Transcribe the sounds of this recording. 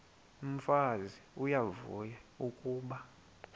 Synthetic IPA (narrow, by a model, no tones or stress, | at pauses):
um̩faziujavṵjaukʼuːɓa